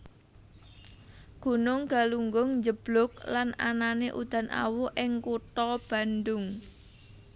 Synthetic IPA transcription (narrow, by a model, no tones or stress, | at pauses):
ɡ̥ṳnʊŋɡ̥a̤luŋɡʊŋɲd͡ʒəb̥lʊk̚lana̰naneʔṵd̪̥ä̤nʔa̰wuʔɪŋkut̪ɔb̥a̤nd̪ʊŋ